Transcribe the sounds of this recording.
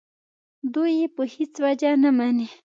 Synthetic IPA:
d̪ʊjipəhɪt͡swad͡ʒanamani

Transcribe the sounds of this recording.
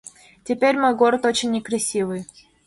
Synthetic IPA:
tʲɪpʲeɾʲmojɡoɾət̪o̞t͡ɕɪnʲːɪkɾɐsʲivɨj

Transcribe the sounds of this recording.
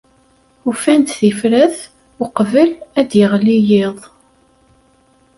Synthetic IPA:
ufænt̪θifɾæθ | ʊqvəlæd̪jəʁlijɪðˤ

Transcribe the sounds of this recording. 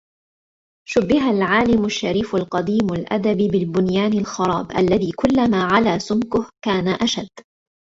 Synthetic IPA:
ʃʊbːɪɦalʕaːlɪmʊʃːaɾiːfalqɑd̪iːmalʔa̰d̪abibɪlbʊnjaːnalxɑɾˤɑ̰ːbʔa̰lːaðiːkʊlːamaːʕalaːsʊmkʊhkaːnaʔaʃad̪ː

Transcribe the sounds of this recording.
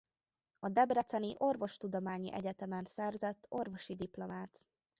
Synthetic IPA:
ɒd̪ɛbrɛt̪sɛniʔo̞rvo̞ʃt̪ud̪omaːɲḭʔɛ̰ɟɛt̪ɛmɛnsɛrzɛt̪ːo̞rvo̞ʃid̪iplo̞maːt̪

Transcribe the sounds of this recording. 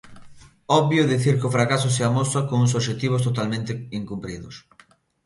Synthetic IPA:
ɔβjoðiθiɾkɪofɾakas̬ʊseamosakoŋuŋs̬oʃ̬et̪iβ̞ʊst̪ot̪almẽnt̪ɪiŋkumpɾiðʊs

